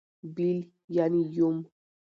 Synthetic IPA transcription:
bil | janĩjom

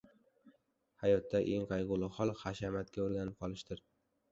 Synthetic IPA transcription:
hajɒt̪ːaʔeŋqɑjʁʊlˠɪhɒlˠχaʃamat̪kʲaɵɾɡʲanɪp̚qʰɒlˠɪʃt̪ɪɾ

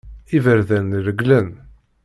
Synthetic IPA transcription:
ivəɾðænɾəɡlən

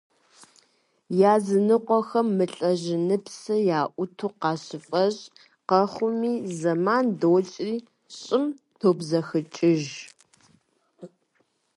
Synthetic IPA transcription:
jaːzɨnɨqʷɔxɐmːɨɬʼɐʑɪnɨpsɐjaːʔʷʊtʰuːqɑːɕɪfʼɐʑ | qɐχʷʊmiːzɐmaːndowɬʼriː | ɕʼɪm | tʰoːbzɐxɨt͡ʃʼɪʒ

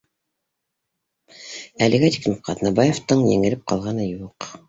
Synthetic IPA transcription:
ælɘ̆ɡæt̪ʲi̥knɘp̚qɑt̪nɑbɑjeft̪ɤɴjɘ̰̆ŋɘ̆lɘp̚qɑlˠʁɑnɤjuq

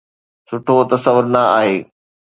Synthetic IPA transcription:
sʊʈʰot̪ɐsəʋʊɾnɐaːɦeː

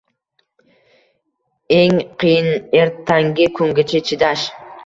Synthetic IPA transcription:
e̞ŋqijɪneɾt̪ʰːaŋɡʲɪkʰɵŋɡʲɪt͡ʃʰɪt͡ʃʰɪd̪aʃ

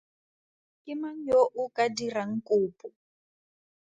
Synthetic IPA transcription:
kʼɪmaŋ̩joʔukʼadiraŋ̩kʼuːpʼɔ

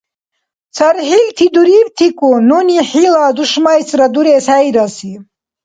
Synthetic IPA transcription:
t͡sʰaɾħilt̪ʰid̪uɾiːbt̪ʰikʼununiħilaːd̪uʃmajsɾad̪uɾɛːsæjd̪asi

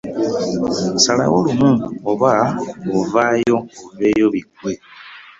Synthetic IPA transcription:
sala̰wolumuoβaovajo̞oveːjoβikwe

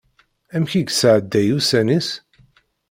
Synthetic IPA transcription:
æmçiɡsəʕəd̪ːæjusænis

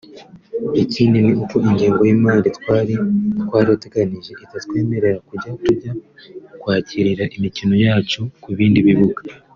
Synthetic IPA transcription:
eciːndiniukoʔiɲɟeːŋɡojimaːnditːɾikwaːɾiateɡaniʒe̞ʔitatkwe̞ːme̞ɾe̞ɾakuɟatuɟakwaːciɾiɾaʔimicino̞jaːt͡ʃokuβiːndiβiβuɡa

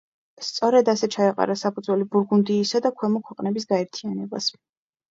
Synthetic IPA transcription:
st̪sʼɔɾɛd̪asɛt͡ʃʰaɛqʼa̰ɾasapʰud̪zwɛlibuɾɡund̪iːsad̪akʰwɛmɔkʰwɛqʼnɛbisɡaɛɾt̪ʰianɛba̰s

